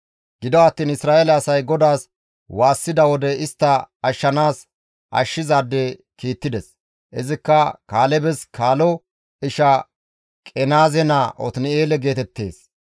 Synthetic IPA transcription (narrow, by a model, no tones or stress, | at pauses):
ɡ̥ɪd̪ɔɐt̪ːiːnɪsɾaːʔelɛɐsɐjɡɔd̪aːs | waːsːɪd̪ɐwɔd̪ɛɪst̪ːɐɐʃːɐnaːs | ʔɐ̰ʃːɪzaːd̪ːɛ | kiːt̪ːɪd̪ɛs | ɛzɪkːɐkaːlɛbɛskʰaːlɔ | ɪʃɐ | kʼɛnaːzɛnaʔɔ̰t̪nɪeːlɛɡe̞ːt̪ɛt̪ːe̞̰ːs